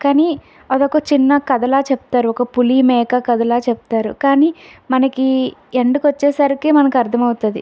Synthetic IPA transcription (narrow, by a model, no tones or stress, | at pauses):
kaːniː | ɐd̪okɐt͡ʃinːɐkɐd̪ɐlaːt͡ʃepu̥t̪aːɾuɔkɐpulimɛːkɐkɐd̪ɐlaːt͡ʃɛput̪aːɾṵkaːniːmɐnɐkieɳɖikʋɐt͡ʃːɛːsaːɾikimɐnɐkɐɾt̪ʰɐmɐwt̪und̪ḭ